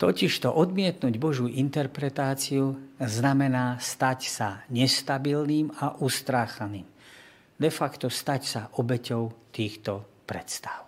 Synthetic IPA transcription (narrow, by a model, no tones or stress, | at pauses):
t̪ɔciʃt̪ɔʔɔd̪mɪɛt̪nuːɟbɔʒuːʔint̪ɛɾpɾɛt̪aːt͡siuznamɛnaːst̪acsaɲɛst̪abilniːmaʔust̪ɾaːxaniːm | d̪ɛfakt̪ɔst̪acsaʔɔbɛcɔʊt̪iːxt̪ɔ | pɾɛt̪st̪ḁʊ